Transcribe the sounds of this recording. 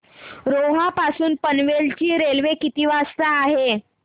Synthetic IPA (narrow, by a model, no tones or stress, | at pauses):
ɾoɦapasuːnpənʋelt͡ɕiːɾelʋekit̪iːʋast̪aːɦe